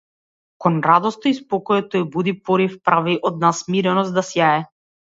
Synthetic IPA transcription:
kɔnɾad̪ɔst̪ɔispɔkɔjɛt̪ɔjbud̪ipɔɾifpɾaviʔɔd̪̚nasmiɾɛnɔsd̪asjaɛ

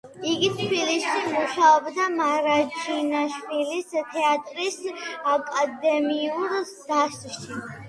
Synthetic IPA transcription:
iɡit̪ʰbilisʃimuʃaɔbd̪amaɾad͡ʒʰinaʃwilist̪ʰɛat̪ʼɾisakʼad̪ɛmiuɾ | d̪̥aʃt̪ʼʃi

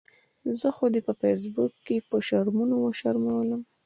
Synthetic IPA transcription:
zəxod̪epəfes̬bukːepəʃaɾmunowəʃaɾmawləm

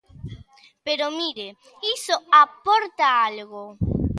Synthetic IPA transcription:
peɾomiɾe | isoapoɾt̪aalɣo

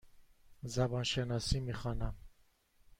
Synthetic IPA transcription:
zabanʃɛnasimiχana

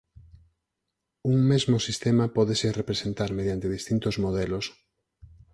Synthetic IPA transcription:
uŋmezmosist̪emapɔðeserepɾesent̪aɾmeð̞jant̪eðist̪int̪ozmoð̞elos

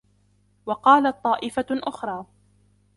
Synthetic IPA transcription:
wɑqɑːlat̪̚ˤːɑːʔɪfaʔʊxɾˤɑː

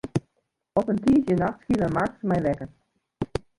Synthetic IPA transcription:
ɔpəntiːəzjənaxtskilˠəmartsmɛjʋɛkən

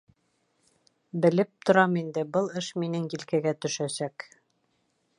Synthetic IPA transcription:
bɘ̆lɘp̚t̪ʰŏɾɑmind̪ɘbɤlˠɤʃminɘŋjilkæɡæt̪ɵ̆ʃæsæk

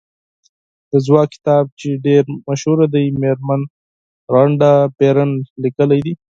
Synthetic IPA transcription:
d̪̥əzwɑkkːɪ̥t̪ɑb̚t͡ʃeɖeɾmaʃhuɾad̪ajmeɾman | ɾaɳɖapeɾənlikəlajd̪i

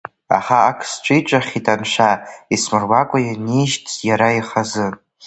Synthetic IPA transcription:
a̰χaːkʰst͡ʃʷʼɨit͡ʃʷʼaχʲitʼanʃʷaismɨrwakʷʼajaniʃtʰjaɾaiχazɨ

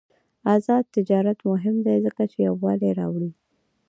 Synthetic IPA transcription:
azɑd̪̚t̪ɪd͡ʒɑɾat̪mʊɦɪmd̪ajzəkat͡ʃejawːɑleɾɑ̰wɽi

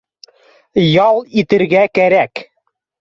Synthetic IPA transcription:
jɑlˠit̪ɘ̆ɾɡækæɾæk

